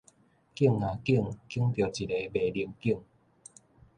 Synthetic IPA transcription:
ki˥˩əŋːã˨ki˦˥˧əŋki˦əŋt̪jo˨˩t͡ɕi˨le˨˧be˨˩li˧əŋki˥˧əŋ

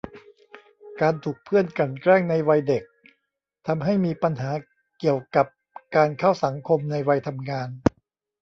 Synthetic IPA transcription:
kaː˧nt̪ʰuː˨˩k̚pʰɯ˥˩ənka˨˩nkɾɛː˥˩ŋna˧jwa˧jde˨˩k̚ | t̪ʰa˧mɦa˥˩jmiː˧pa˧nɦaː˩˦ | ki˨˩əwka˨˩p̚ | kaː˧nkʰa˥˩wsa˩˦ŋkʰo˧mna˧jwa˧jt̪ʰa˧mŋaː˧n

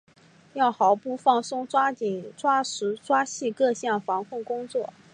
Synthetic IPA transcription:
jɑ˥˩ʊxɑ˨˩˦ʊpu˥˧fɑ˥˩ŋsʊ˥ŋʈ͡ʂwa˥t͡ɕi˨˩˦ʈ͡ʂwa˥ʂɻ̩˧˥ʈ͡ʂwa˥ɕi˥˧kɤ˥˧ɕjɑ˥˩nfɑ˧˥ŋkʰʊ˥˩ŋkʊ˥ŋt͡swɔ˥˩

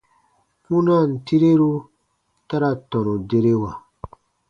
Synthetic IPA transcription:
kũ˦na˦˨n̩˨ti˦ɾe˦ɾu˦ | ta˦ɾa˦tɔ̃˨nũ˨de˦ɾe˦wa˨

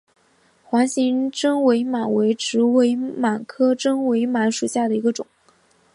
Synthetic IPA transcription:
xwa˧˥nɕi˧˥ŋʈ͡ʂɤ˥ŋwe˧˥ɪma˨˩nwe˧˥ɪʈ͡ʂɻ̩˧˥we˧˥ɪma˨˩nkʰɤ˥ʈ͡ʂɤ˥ŋwe˧˥ɪma˧˥nʂu˨˩ɕja˥˩d̪ə˩i˧˥ɡə˧ʈ͡ʂʊ˨˩˦ŋ

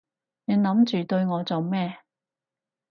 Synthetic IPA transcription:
ne˨˧ŋnɐ˨˥mt͡ʃyː˨t̪ɵ˧ɥŋɔː˨˧t͡so˨wmɛː˥˧

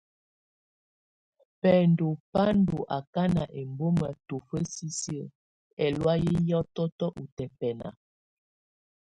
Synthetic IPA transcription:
pɛ˨ndo˨pa˦ndo˨ʔa˨ka˦na˨ʔe˨mbo˦mə˨to˨fə˦si˦si˦˨ | ɛ˨lwa˦je˦jɔ˦tɔ˦tɔ˦ʔu˨tɛ˨pɛ˨na̰˨

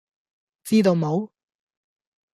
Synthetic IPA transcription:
t͡siː˥t̪o˧wmo˨˧w

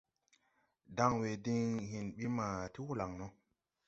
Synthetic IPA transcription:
da˦ŋwe˨di˦ŋɦĩ˨nɓi˦ma˨ti˦wu˦la˨ŋno˦

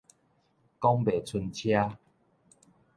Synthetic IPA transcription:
kɔ˦ŋbe˨˩t͡sʰu˧nt͡ɕʰja˦

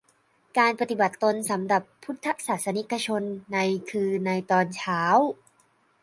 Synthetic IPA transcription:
kaː˧npa˧t̪i˨˩ba˨˩t̪ːo˧nsa˩˦mɾa˨˩pʰːu˦˥t̪ʰːa˦˥k̚saː˨˩t̪̚sa˧ni˦˥ka˧t͡ɕʰo˧nːa˧jkʰɯː˧na˧jt̪ɔː˧nt͡ɕʰaː˦˥w

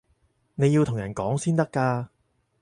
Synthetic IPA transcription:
ne˨˧ji˧wt̪ʰʊ˨˩ŋjɐ˨˩nkɔː˨˥ŋsiː˥nt̪ɐ˥kːaː˧

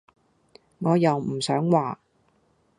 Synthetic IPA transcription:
ŋɔː˨˧jɐ˨wm̩˨˩sœː˨˥ŋwaː˨

